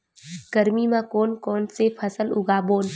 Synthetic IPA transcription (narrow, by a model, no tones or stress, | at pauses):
ɡ̥ɐɾmimãkoːnkɔːnsepʰɐsəlʊɡaːboːn